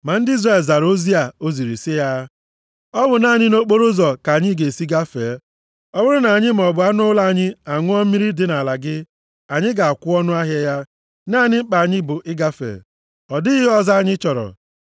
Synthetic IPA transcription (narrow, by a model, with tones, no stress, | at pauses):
ma˨n̩˦di˦zɾa˨lza˨ɾo˦zi˦a˨o˦zi˨ɾi˨sɪ˦ja˦ | ɔ˦bʊ˨na˨˦˨ɲɪ˦no˦k͡po˦ɾo˦zɔ˨ka˨ɲɪ˦ɡe˨si˦ɡa˦fe˨˦ | ɔ˦bʊ˦ɾʊ˦na˨ɲɪ˦m̩˨ɔ˨bʊ˨a˦nʊ˦la˦˨ɲɪ˦a˨ŋʷʊ˦ɔ˦m̩˦mi˦ɾi˦dɪ˦na˨la˨ɡɪ˦ | a˨ɲɪ˦ɡa˨a˨kʷʊ˦ɔ˦nʊ˦a˦ɦjɛ˦ja˦ | naː˦˨ɲɪ˦m̩˦k͡pa˨a˨ɲɪ˦bʊ˨ʔɪ˦ɡa˦fḛ˨ | ɔ˨dɪ˦ɣɪ˦ɔ˦za˦a˨ɲɪ˦t͡ʃɔ˨ɾɔ̰˨